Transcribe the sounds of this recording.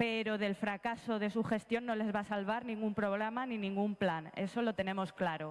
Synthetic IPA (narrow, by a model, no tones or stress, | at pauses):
pe̞ɾo̞ð̞e̞lfɾakaso̞ð̞e̞suxe̞st̪jo̞nːo̞le̞zβasalβ̞aɾnĩŋɡumpɾo̞ɣ̞ɾamanĩnĩŋɡumplane̞̰so̞lo̞t̪e̞nẽ̞mo̞sklaɾo̞